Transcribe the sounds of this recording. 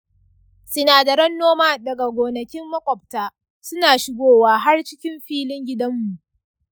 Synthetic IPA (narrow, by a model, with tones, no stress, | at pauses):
sɪ˦naː˨da˨ɾɐ˦nːoː˦maː˦dɐ˨ɡa˨ɡʷoː˨nɐ˨kʲɪ˦mːɐ˦kʷɔ˨p̚taː˦ | sʊ˦naː˨ʃɪ˦ɡʷoː˦waː˦ɦa˦rt͡ʃɪ˦kʲɪ˦mɸiː˦lɪ˦ŋɡʲɪ˦dɐ˦mːu˨ʔ